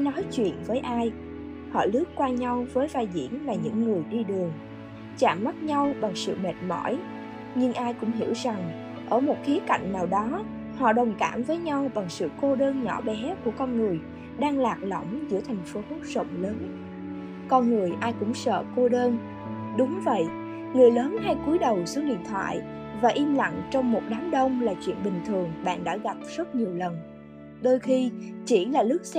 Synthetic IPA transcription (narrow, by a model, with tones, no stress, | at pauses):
ʔjnɔ˨˦jt͡ɕwḭ˧˨ənvəː˨˦jʔaː˧j | hɔ̰˧˨lɨ˦˥əp̚kwaː˧ɲa˧wvəː˨˦jvaː˨˩jzḭ˧˥ənlaː˨˩ɲɨ̰˧˥ŋːɨ˨˩əjɗi˧ɗɨ˨˩əŋ | t͡ɕa̰ː˧˩mːa˦˥t̚ɲa˧wɓa˨˩ŋsɨ̰˧˨me˨˩t̚mɔ̰˧˥j | ɲɨ˧ŋʔaː˧jkʊ̰˧˥ŋ͡mɦḭ˧˩əwza˨˩ŋ | ʔəː˧˩mo˨˩t̚xi˨˦əka̰˧˨jŋ̟naː˨˩wɗɔ˨˦ | hɔ̰˧˨ɗə˨˩wŋ͡mka̰ː˧˩mvəː˨˦jɲa˧wɓa˨˩ŋsɨ̰˧˨ko˧ɗəː˧nɲɔ˧˩ɓɛ˨˦ku˧˩əkɔ˧nŋɨ˨˩əj | ɗaː˧ŋlaː˨˩k̚lə̰˧˩˨wŋ͡mzɨ˧˩ət̪ʰa˨˩jŋ̟fo˨˦ə˦˥t̚z̥ə̰˧˨wŋ͡mləː˨˦n | kɔ˧nŋɨ˨˩əjʔaː˧jkʊ̰˧˥ŋ͡msə̰ː˧˨ko˧ɗəː˧n | ɗʊ˨˦ŋ͡mvə̰˧˨jʔ | ŋɨ˨˩əjləː˨˦nha˧jku˨˦əjɗə˨˩wsɨ˨˦ŋ̚ɗḭ˧˨ənt̪ʰwa̰ː˧˨jvaː˨˩ʔi˧mla̰˧˨ŋt͡ɕɔ˧wŋ͡mmo˨˩t̚ɗaː˨˦mɗə˧wŋ͡mlaː˨˩t͡ɕwḭ˧˨ənɓï˨˩ŋ̟t̪ʰɨ˨˩əŋɓa̰ː˧˨nɗa̰ː˧˥ɣa˨˩p̚z̥ə˦˥t̚ɲi˨˩əwlə˨˩n | ɗoː˧jxi˧t͡ɕi˧˩laː˨˩lɨ˦˥k̚s